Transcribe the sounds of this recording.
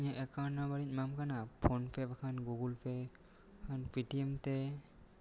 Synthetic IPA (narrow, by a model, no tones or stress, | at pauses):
ɲaʔɛkanabaɾit̚mamkanapʰɔnpʰɛbakʰanɡuɡulpʰe | kʰanpitiemtɛ